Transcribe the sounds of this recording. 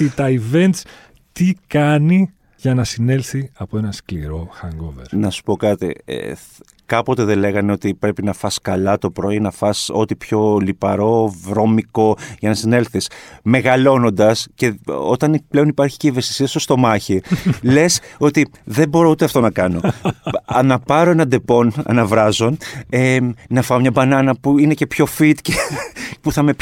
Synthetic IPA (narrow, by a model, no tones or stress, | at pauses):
it̪ɐive̞nt̪s | t̪ikɐni | ʝɐnɐsine̞lθiɐpoe̞nɐskliɾo̞xɐŋɡovḛɾnɐsu̥po̞kɐt̪ḭḛ | kɐpo̞t̪e̞ðe̞le̞ɣɐne̞ot̪ipɾe̞pinɐfɐskɐlɐt̪o̞pɾo̞inɐfɐso̞t̪ipço̞lipɐɾo̞vɾo̞miko̞ʝɐnɐsine̞lθisme̞ɣɐlo̞no̞nd̪ɐsce̞o̞̰t̪ɐniple̞o̞nipɐɾçi̥ceive̞st̪i̥siɐsost̪o̞mɐçile̞so̞t̪i | ðe̞bo̞ɾo̞ut̪e̞ɐft̪o̞nɐkɐno̞ɐnɐpɐɾo̞e̞nɐd̪e̞po̞nɐ̰nɐvɾɐzo̞nenɐfɐmɲɐbɐnɐnɐpuine̞ce̞pço̞fit̪cepuθɐme̞